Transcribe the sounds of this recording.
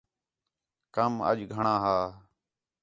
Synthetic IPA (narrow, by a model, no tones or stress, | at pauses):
kəmə̰ʄɡʱəɳãːɦaː